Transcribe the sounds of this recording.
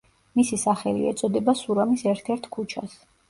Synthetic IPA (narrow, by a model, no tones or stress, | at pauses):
misisaχɛlḭɛ̰t̪sʼɔd̪ɛbasuɾamisɛɾt̪ʰɛɾt̪ʰkʰut͡ʃʰa̰s